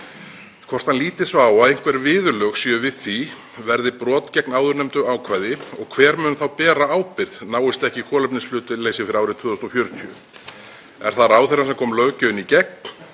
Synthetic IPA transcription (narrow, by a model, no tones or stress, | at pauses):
kʰvɔr̥t̪hanliːt̪ɪsvaaːwaðejŋ̥kvɛɾɪvɪːðʏlœxsiːʏvɪðθi | vɛɾðɪpɾɔːt̪cɛknaːwðʏɾnɛmt̪ʏaːwkʰvajðɪɔɣkʰvɛːɾmʏnθawpɛːɾaaːwpɪðnaːwɪst̪ɛhcɪkʰɔːlœpnɪnsflʏːt̪ʏleːjsɪfɪɾɪaːwɾɪt̪ʰvʏːðɔst̪ɔfjœɾt̪ʰyʏ̰ | ɛ̰ɾ̥θaðɾaːwθɛɾansɛmkʰɔːmlœcʏʏnicɛk̚n